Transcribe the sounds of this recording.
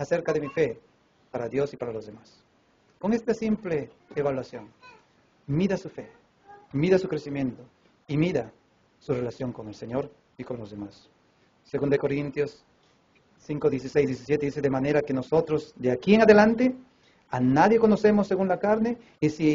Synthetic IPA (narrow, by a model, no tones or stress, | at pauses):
aseɾkaðemife | paɾaðjosipaɾalozðemas | koŋest̪asimpleːβalwasjoŋ | miðasufe | miðasukɾesimjẽnt̪o | imiða | surelasjo̞ŋkoŋelseɲoɾ | ikoŋlozðemasː | eɣũnd̪aekoɾint̪josː | iŋkoðjes̬isejzðjes̬is̬jet̪eðiseðemaneɾakenosot̪ɾozd̪eakieŋaðelant̪e | anaðjekonosemosːeɣunlakaɾne | isi